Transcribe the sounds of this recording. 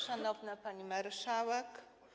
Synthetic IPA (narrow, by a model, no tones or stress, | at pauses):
ʂanɔvnapaɲimaɾʂawɛk